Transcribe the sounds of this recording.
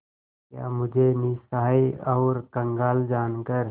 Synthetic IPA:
kja̰ːmʊd͡ʒʱenisaɦiɐʊɾkə̃ŋɡaːld͡ʒaːnkəɾ

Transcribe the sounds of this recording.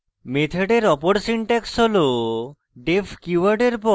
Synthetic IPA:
met̪ʰeɖeɾɔpoɽsiɳʈɛksɦolo | ɖepʰkjuaɾɖeɾpɔ

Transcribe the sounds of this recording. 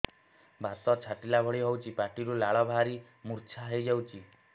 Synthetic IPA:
bʱasɔt͡ʃʰaʈilabʱɔɭiɦowt͡ʃʰipaʈiɾulaɭɔbʱaɾi | muɾt͡ʃʰaɦejd͡ʒawt͡ʃʰi

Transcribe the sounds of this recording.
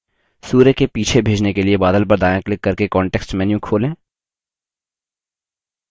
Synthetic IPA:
suːɾəkepiːt͡ʃʰebʱeːd͡ʒnekeliebaːd̪əlp̬ɐɾd̪aːjãklɪkːɐɾkekɔːɳʈɛːksʈmɛːnjũkʰoːlẽː

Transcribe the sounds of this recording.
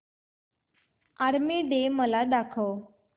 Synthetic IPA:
aɾmiɖeməlaɖakʰəw

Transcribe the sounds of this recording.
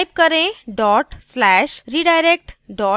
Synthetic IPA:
jp̚kəɾẽɖɔʈslæɕɾiɖajɾek̚ʈɖɔ

